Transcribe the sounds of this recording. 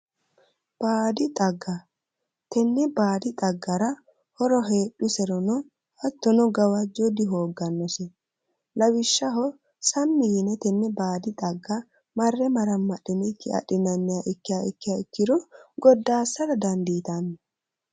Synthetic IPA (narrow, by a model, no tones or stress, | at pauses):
b̥aːd̪ɪt̪ʼɐɡːɐ | t̪ɛnːɛbaːd̪ɪt̪ʼɐɡːɐɾɐ | hɔɾɔɦe̞ːɗʊsɛɾɔnɔ | ʔɐt̪ːɔnɔɡɐwɐd͡ʒːɔd̪ɪɦoːɡːɐnːɔsɛ | lɐwɪʃːɐɦɔ | sɐmːɪjɪnɛt̪ɛnːɛbaːd̪ɪt̪ʼɐɡːɐ | mɐrːɛmɐɾɐmːɐɗːɪnkːɪɐ̰ɗɪnɐnːɪjaːʔɪkːɪjaɪkːɪjaɪkːɪd̪ɔɡɔd̪ːaːsːɐɾɐd̪ɐnd̪iːt̪anːɛ